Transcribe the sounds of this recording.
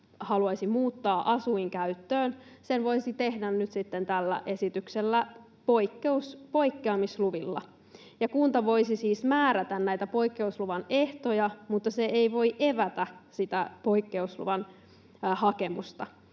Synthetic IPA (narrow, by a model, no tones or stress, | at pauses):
hɑluɑisimuːt̪ːɑːʔɑsuiŋkæyt̪ːøːnsenʋo̞isit̪ehdænnyt̪sit̪ːent̪ælːæ̰ʔe̞sit̪ykselːæ | poikːeuspo̞ikːeɑmisluʋilːɑ̰ | jɑkunt̪ɑʋo̞isisiːsmæːɾæt̪ænnæjt̪æpo̞ikːe̞usluʋɑne̞ht̪ojɑmut̪ːɑseeiʋo̞iʔeʋæt̪æsit̪æpo̞ikːe̞uslṵʋɑn | hɑke̞mṵst̪ɑ